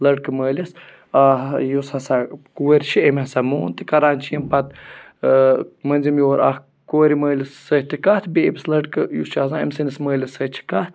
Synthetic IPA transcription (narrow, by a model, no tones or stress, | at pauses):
lɐɽkɨməːlʲɐs | ajushasakueɾʲt͡ʃʰiemasamoːnt̪ikɐɾaːnt͡ʃʰiːmpɐt̪̚ | mɐnʲzimjoːɾʔa̰h | koeɾiməːlʲɐsːəht̪ikaht̪ʰbeːbslɐɽkɨjust͡ʃaːzãḛmsɨnisməːlʲɐsət͡ʃʰi̥kat̪ʰ